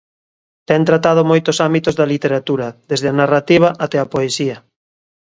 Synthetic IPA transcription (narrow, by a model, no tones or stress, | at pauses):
t̪ɛnt̪ɾat̪að̞omojt̪osambit̪ozðɐlit̪eɾat̪uɾɐðezðɪanarat̪iβ̞aʔat̪ɛapoesiɐ